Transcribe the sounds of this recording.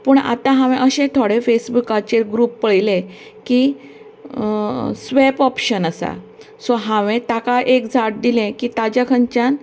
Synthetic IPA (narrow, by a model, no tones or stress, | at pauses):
pəːɳa̰t̪ãɦãʋẽʔəɕẽt̪ʰoɽefesbukat͡ɕeɡɾupːəɭjlẽ | ki | sʋepɔpɕənəsa̰ | sɔɦãʋẽt̪akaʔekd͡zʱaʈ̚d̪ilẽkiːt̪ad͡ʑakʰəɲt͡ɕan